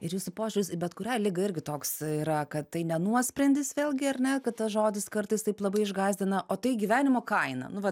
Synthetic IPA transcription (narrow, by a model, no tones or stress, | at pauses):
ɪɾjuːsʊpoːʒʲʊlʲʊsbʲɛt̪kʊɾʲɛɪlʲɪɡɐɪɾʲɡʲɪt̪oːksiːɾɐkɐt̪t̪ɐɪnʲɛnuɔsʲpʲɾʲɛnʲd̪ʲɪsʋʲeːlʲˠɡʲɪɐrʲnʲɛkɐt̪t̪ɐsʒoːd̪ʲɪskɐɾt̪ɐɪst̪ɐɪplˠɐbɐɪɪʒɡɑːzʲd̪ʲɪnɐʔoːt̪ɐɪɡʲiʋʲæːnʲɪmoːkɐɪnɐ̰nʊʋɐ